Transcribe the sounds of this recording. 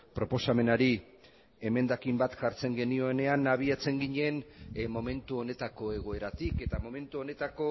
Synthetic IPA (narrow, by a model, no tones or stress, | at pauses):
pɾo̞po̞same̞naɾi | e̞me̞nd̪akimbat̪ʝaɾt͡se̞ŋɡe̞nio̞ene̞anaβ̞iat͡se̞ŋɡiɲe̞nmo̞me̞nt̪uo̞ne̞t̪ako̞e̞ɣ̞o̞e̞ɾat̪ike̞t̪amo̞mẽ̞nt̪uo̞ne̞t̪ako̞